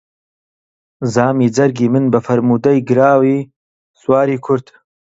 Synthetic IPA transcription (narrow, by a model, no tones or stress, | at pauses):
zaːmiːd͡zɐɾɡiːmɨnbɐfɐɾmuːd̪ɐjɡɨɾaːwiː | swaːɾiːkʰʊɾd̪